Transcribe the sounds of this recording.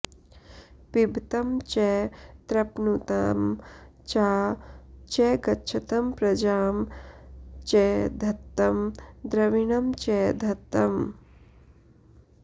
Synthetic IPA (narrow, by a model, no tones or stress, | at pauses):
pibt̪ɐmt͡ʃɛːt̪ɾɐpnut̪a̰ːm | t͡ʃaːt͡ʃɛːɡɐtːʃʰɐt̪ɐmpɾɐd͡ʒaːm | t͡ʃɛːd̪ʱɐt̪ːɐmd̪ɾɐʋiɳɐmt͡ʃɛːd̪ʱɐt̪ːɐm